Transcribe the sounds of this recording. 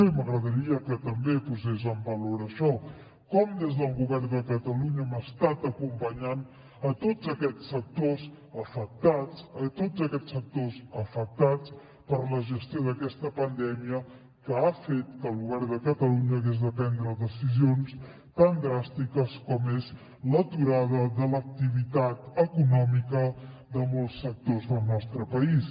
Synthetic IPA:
eməɣɾəðəɾiəkət̪əmbepuzez̬əmbəloɾəʃɔ | kɔmd̪ezðəlˠɣuβɛrnd̪əkət̪əluɲəmast̪at̪əkumpəɲan | ət̪ozəkɛt͡sːək̚t̪oz | əfək̚t̪at͡sət̪ozəkɛt͡sːfək̚t̪ozəfək̚t̪at͡s | pəɾləʒəst̪ioðəkɛst̪əpənd̪ɛmiə | kəafet̪̚kəlˠɣuβɛɾðəkət̪əluɲəːɣezðəpɛnd̪ɾəðəsizions | t̪and̪ɾast̪ikəskɔmez | lət̪uɾaðəðələk̚t̪iβit̪at̪əkunɔmikəðəmɔlˠsək̚t̪ozðəlˠnɔst̪ɾəpəis

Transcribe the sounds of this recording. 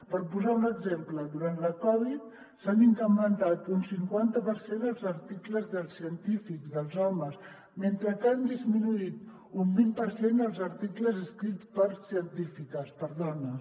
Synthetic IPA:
pəɾpuzaunəɡzempləðuɾant̪ləkɔβ̞it̪̚ | saniŋkɾəmənt̪at̪unsiŋkwant̪əpəɾsend̪əlˠzəɾt̪ikləzðəlˠsiənt̪ifikzðəlˠzɔməs | ment̪ɾəkand̪izminuit̪ | umbimpəɾsend̪əlˠzəɾt̪ikləzəskɾit̪t͡spəɾsiənt̪ifikəspəɾðɔnə

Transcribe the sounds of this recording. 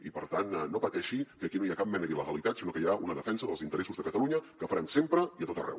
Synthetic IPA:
ipəɾt̪anːopət̪ɛʃikəkinoiakap̚mɛnəðiləɣəlit̪at̪sinokəjaunəðəfɛnsəðəlˠzint̪əɾɛsuzðəkət̪əlˠuɲəkəfəɾɛmsempɾəiət̪ot̪ərɛ̰w

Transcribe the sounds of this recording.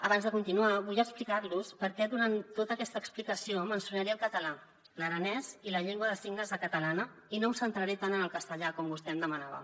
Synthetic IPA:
əβanzðəkunt̪inuaβujəksplikarluspəɾkɛðuɾanot̪əkɛst̪əːksplikəsiomənsunəɾeəlˠkət̪əla | ləɾənɛziləʎeŋɡwəðəsiɡnəzðəkət̪əlanəinowsənt̪ɾəɾet̪anənəlˠkəst̪əʎakɔmbust̪ɛəmd̪əmənaβə̰

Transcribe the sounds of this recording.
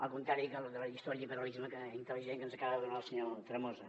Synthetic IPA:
ə̰lˠkunt̪ɾaɾikəlðələʒist̪ɔɾjəipəɾɐlizməkəint̪əliʒeŋkənzəkaβɐðəðunalˠsəɲot̪ɾəmozə

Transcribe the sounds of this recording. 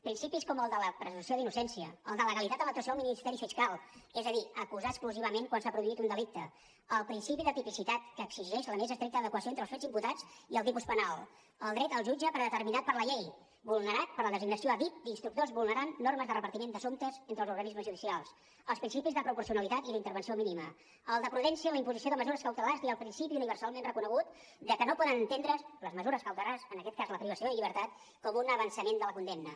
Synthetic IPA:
pɾinsipiskɔməlˠd̪ələpɾəzunsioðinusɛnsiə̰əlˠd̪ələɣəlit̪at̪ələk̚t̪uəsoəlˠminist̪ɛɾifiskalˠezəðiəkuzaəskluziβ̞əmeŋkwansapɾuðuit̪und̪əlik̚t̪ə | əlˠpɾinsipiðət̪ipisit̪at̪kəːkz̥iʒɛʃləmezəst̪ɾɛk̚t̪əðəkwəsioent̪ɾəlˠsfed͡zimput̪ad͡ziəlˠt̪ipuspənalˠ | əlˠd̪ɾɛt̪əlˠʒud͡ʒəpɾəðət̪əɾrminat̪̚pəɾləʎej | bulˠnəɾat̪̚pəɾləðəziɡnəsioəβit̪̚d̪inst̪ɾuk̚t̪ozβulˠnəɾanːorməzðərəpəɾt̪imend̪əsomt̪əzent̪ɾəlzuɾɣənizməzʒuðisialˠs | əlˠspɾinsipizðəpɾupuɾsiunəlit̪at̪iðint̪əɾβənsiominimə | əlˠd̪əpɾuðɛnsiələimpuzisioðəməzuɾəskəwt̪əlaziəlˠpɾinsipiuniβəɾsalˠmenrəkunəɣ̞ut̪ | d̪əkənopɔðənənt̪end̪ɾələzməzuɾəskəwt̪əlazənəkɛt̪̚kazləpɾiβəsioəʎiβɾt̪at̪ | kɔmunəβənsəmend̪ələkund̪emnə

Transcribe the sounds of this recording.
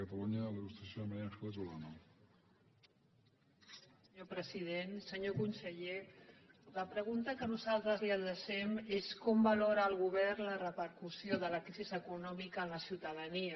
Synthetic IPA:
ət̪aluɲəələɣust̪ɾəsjoəmaɾjasket̪ulano | əɲopɾəzið̞ensəɲokunsəʎe | ləpɾəɣunt̪əkənuzalˠt̪ɾəzliəðəʃɛmeskɔmbəloɾəːlˠɣuβɛrnlərəpəɾkusioðələkɾizizəkunɔmikəːnləsiwt̪əðəniə

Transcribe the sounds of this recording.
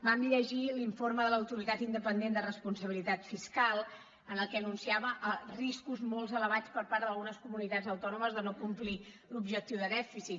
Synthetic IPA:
bamʎəʒiliɱforməðələwt̪uɾit̪at̪ind̪əpənd̪end̪ərəspunsəβilit̪at̪fiskalˠ | ənəlˠkɛənunsiaβəʔriskuzmolˠzələβ̞at͡spəɾpaɾðəlˠɣunəskumunit̪ad͡zəwt̪ɔnuməzðənokumpli | lubʒək̚t̪iwðəðɛfisit̪

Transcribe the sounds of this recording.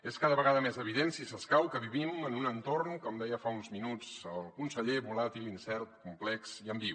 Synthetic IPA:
eskaðəβəɣ̞aðəmezəβ̞iðensisəskawkəβiβimənunənt̪ornkɔmd̪ɛjəfaunzminud͡zəlˠkunsəʎeβulat̪ilˠinsɛɾt̪kumplɛksiəmbiw

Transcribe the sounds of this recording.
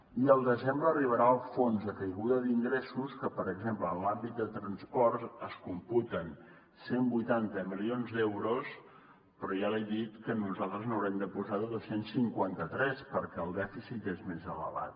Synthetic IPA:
iəlˠd̪əzembləriβ̞əɾaəlˠfonzðəkəjɣuðəðiŋɡɾesuskəpəɾəɡzempləlambit̪̚d̪ət̪ɾənspɔrzəskumput̪ən | sembujt̪ant̪əmilionzd̪ɛwɾos | pɾɔjalɛjd̪it̪kənuzalˠt̪ɾəznəwɾɛmd̪əpuzaðəðəsensiŋkwant̪ət̪ɾɛspəɾkɛəlˠd̪ɛfisit̪ezmezələ̰βa̰t̪̚

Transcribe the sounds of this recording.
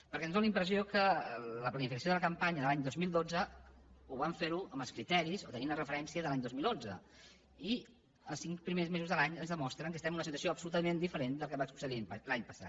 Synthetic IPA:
pəɾkɛnzðõlimpɾəziokələplənifikəsoðələkəmpaɲəðəlaɲd̪ozmilˠd̪od͡zəuβaɱfeɾuəməlˠskɾit̪ɛɾizot̪əniunərəfəɾɛnsiəðəlaɲd̪ozmilˠonzə̰ | i | əlˠsiŋkpɾimezmezuzðəlaɲənzðəmɔst̪ɾəŋkəst̪ɛmnunəsit̪uəsioəpsulut̪əmend̪ifəɾend̪əlˠkəβakspu̥z̥alaɲlaɲpəsa̰t̪̚

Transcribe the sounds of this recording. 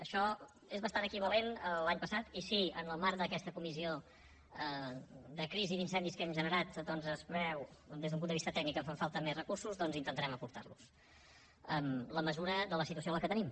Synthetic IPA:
əʃɔ | ezβəst̪anəkiβəlenəlaɲpəsat̪isiənəlˠmaɾd̪əkɛst̪əkumizio | əðəkɾiziðinsɛnd̪iskɛmʒənəɾat̪̚d̪ɔnzəzβɛwd̪ezðumpund̪βist̪ət̪ɛɡ̚nikəɱfaɱfalˠt̪əmezrəkursuzðɔnzint̪ənt̪ɾɛməpuɾt̪a̰rlus | əmləməzuɾəðələsit̪uəs̬ioləkət̪ənim

